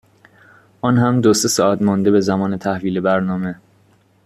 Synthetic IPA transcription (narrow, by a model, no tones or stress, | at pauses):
ʔɒːnɦæmd̪ose̞sɒːʔæt̪mɒnd̪e̞be̞zæmɒːnet̪ʰæhviːlebæɾnɒːme̞